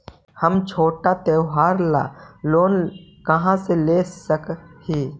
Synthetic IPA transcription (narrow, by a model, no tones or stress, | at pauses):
həmt͡ʃʰoːʈat̪eːɦaːɾla̰ːloːnkɐɦãseleːsəkheː